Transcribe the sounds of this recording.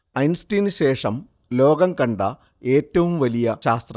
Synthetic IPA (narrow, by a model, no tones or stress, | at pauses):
ɐjnsʈiːnɨɕe̞ːʂɐm | lo̞ːɡɐmkɐɳɖɐ | e̞ːtːɐʋumʋɐlijɐɕaːst̪rɐ